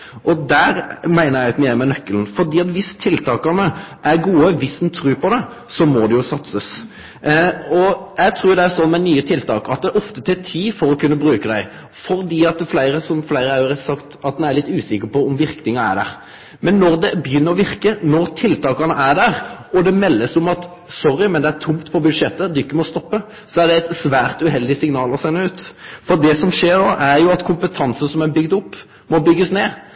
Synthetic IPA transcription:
ʔɔd̪æɾmæɪnəɾjæɪt̪meːɾmɛnœkːəln̩fɔɾd̪iːɑt̪ʋɪst̪ʰɪlt̪ɑːkɑnəʔæɾɡuːəʋɪsd̪nt̪ʰɾʉːpɔd̪ɛ | sɔmɔd̪ɛjʊsɑt̪səs | ɔjæɡt̪ʰɾuːd̪ɛæɾsɔnːmɛnyːət̪ʰɪlt̪ʰɑːkɑt̪̚d̪ɛɔft̪ət̪ʰɛt̪ʰiːfɔɾɔkʉnːəbɾʉːkəd̪æɪ | fɔɾd̪iːɑt̪̚ːflæɪɾəsɔmflæɪɾəɑɾəsɑkt̪ɑt̪d̪ɛnæɾɭɪt̪ːʉːsɪkəpɔʊmʋɪɾknɪŋɑæ̰ɖ̪æ̰ɾ | mɛnːɔʁd̪ɛbjʏnːəɾɔʋɪɾkənɔɾt̪ʰɪlt̪ʰɑːkɑnəʔæd̪æʁɔd̪ɛmɛlːəsʊmɑt̪ | sɔɾːɪmɛnd̪ɛæɾt̪ʰʊmt̪pʰɔbʉd̪ʂɛt̪ːəd̪ʉɪkːəmɔst̪ɔpːə | sɔæʁd̪ɛæɪt̪sʋæːʁt̪ʉɦɛld̪ɪsɪŋnɑːlɔsɛnːəʉːt̪fɔɾd̪ɛsɔmʂeːɾnoːʔæɾjʊɑt̪kʰʊmpət̪ʰɑnsən̩sɔmɛbʏɡd̪ʊpː | mɔbʏɡːəsneː

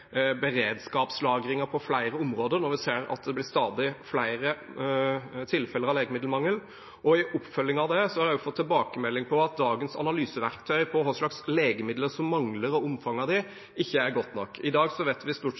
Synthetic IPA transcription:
bəɾeːd̪skɑːpslɑːɡɾɪŋəɾpʰɔflæɪɾəʊmɾoːd̪əɾnɔɾʋɪseːɾɑ̰t̪d̪ɛblɪɾst̪ɑːd̪ɪflæɪɾə | t̪ʰɪlfɛləɾɑʋleːɡəmɪd̪lmɑŋːəl | ɔɪʔʊpːfœlːɪŋɑʋd̪ɛsɔhɑɾɛjʊfɔt̪ʰːɪlbɑːkəmɛlːɪŋpʰɔɑt̪̚d̪ɑːɡənsɑ̰nɑlyːsəʋæɾkt̪ʰœʏpʰɔɦɔslɑksleːɡəmɪd̪ləsɔmːɑŋləɾɔʊmfɑŋɑd̪ɪ | ɪçːəæɾɡɔt̪ːnɔkːɪd̪ɑːɡsɔʋeːt̪ʋɪst̪uː

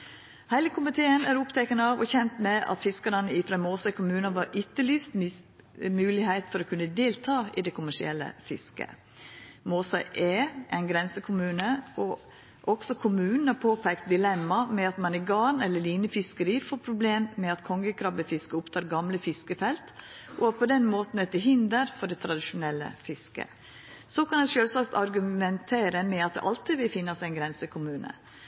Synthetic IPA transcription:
hæɪləkʰʊmɪt̪ʰeːənæɾʊpt̪ʰɛkənəɑʋɔçɛnt̪mɛʔɑ̰t̪fɪskəɾɑnəɪfɾɑmoːsɑɪkʰʊmʉːnɑʋɑɾʔʏt̪ːəlyːst̪ | mʉːlɪhæɪt̪fɔɾɔːkʰʉnːəd̪eːlt̪ʰɑːɪd̪ɛkʰʊmæʂɪ̰ɛlːə̰fɪskə̰ | moːsɑɪʔeːʔæɪnɡɾɛnsəkʰʊmʉːnəɔ | ʔɔɡ̥sɔkʰʊmʉːnn̩hɑpʰoːpʰɛk̚t̪̚d̪ɪlɛmːɑmɛɑt̪mɑnɪɡɑːnɛlːəɭiːnəfɪskəɾiːfoːpʰɾʊbleːmːɛɑt̪kʰɔŋɡəkʰɾɑbəfɪskəʊpt̪ʰɑːɾɡɑmləfɪskəfɛlt̪ʔɔpʰɔd̪ɛnmoːt̪n̩ɛt̪ːɪɦɪnd̪əɾfɔɖɛt̪ʰɾɑd̪ɪʃʊnɛlːə̰fɪskə̰ | sɔkʰɑnæɪʃøːlsɑkt̪ɑɾɡʉmɛnt̪ʰeːɾəmɛɑt̪̚d̪ɛ̰ʔɑlt̪ɪd̪ʋɪlfɪnːɑsɛɪnɡɾɛnsəkʰʊmʉːnə̰

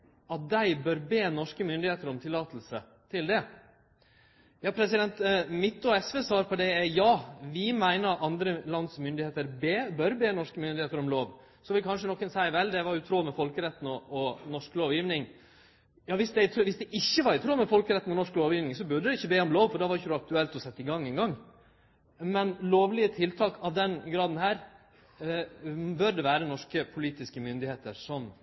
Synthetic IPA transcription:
ɑt̪̚d̪æɪbœɾbeːnɔʂkəmʏnd̪ɪheːt̪əɾɔmt̪ʰɪlɑːt̪əlsə | t̪ʰɪld̪ɛ | jɑːpʰɾɛsɪd̪ɛnt̪mɪt̪ːɔɛsʋeːsʋɑːɾpʰɔd̪ɛjɑːʋɪmæɪnəɑnd̪ɾəlɑnd̪smʏnd̪ɪheːt̪əɾbeːbœɾbeːnɔʂkəmʏnd̪ɪheːt̪əɾɔmloːʋ | sɔʋɪlkʰɑnʂ̬ənɔkːənsæɪʋɛld̪ɛʋɑɾʉt̪ʰɾuːmɛfɔlkəɾɛt̪ːn̩ɔɔnɔʂkloːʋjiːʋnɪŋ | jɑːʋɪsd̪ɛt̪ːʋɪsd̪ɛʔɪçːəʋɑɾɪt̪ʰɾuːmɛfɔlkəɾɛt̪ːn̩ɔnɔʂkloːʋjiːʋnɪŋsɔbʉɖəd̪ɛɪçːəbeːɔmloːʋfɔɖ̪ɛʋɑɾɪçəɾʊɑk̚t̪ʉɛlt̪ɔsɛt̪ːəɪɡɑŋːɛnɡɑŋ | mɛnloːʋlɪət̪ʰɪlt̪ʰɑːkʰɑʋd̪ɛnɡɾɑːd̪nɦæːɾ | bœɖ̪ɛʋæːɾənɔʂkəpʰʊliːt̪ɪskəmʏnd̪ɪheːt̪əɾsɔm

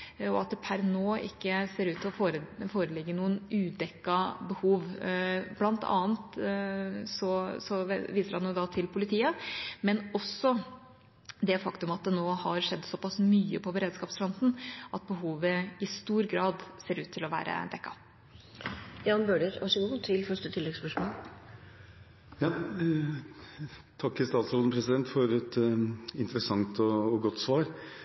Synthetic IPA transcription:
ɔɑt̪̚d̪ɛpʰæɾnoːɪ̰kːəseːɾʉːt̪ʰːɪlɔfoːɾəfoːɾəlɪɡːənuːənʉːd̪ɛkːɑbəhuːʋblɑnt̪ʰɑ̰ːnt̪ | sɔsɔʋiːsəɾhɑnjʊd̪ɑt̪ʰɪlpʰʊlɪt̪ʰiːəmɛnɔsːɔ | d̪ɛfɑkt̪ʉmɑt̪̚d̪ɛnoːhɑɾʂɛd̪ːsɔpʰɑsmyːəpʰɔbəɾeːd̪skɑːpsfɾɔnt̪n̩ʔɑt̪̚bəɦuːʋəɪst̪uːɾɡɾɑːd̪seːɾʉːt̪ʰːɪlɔʋæ̰ːɾʔə̰d̪ɛkːɑ̰ | jɑːnbøːɖəɾɑʂəɡuːt̪ʰɪlfœʂʈət̪ʰɪlːɛɡspœʂmoːl | jɑː | t̪ʰɑkːɪlst̪ɑːt̪sɾoːd̪n̩pʰɾɛsɪd̪ɛnt̪fɔɾɛt̪ɪnt̪ɾəsɑŋt̪ɔɔɡɔt̪ːsʋɑːɾ

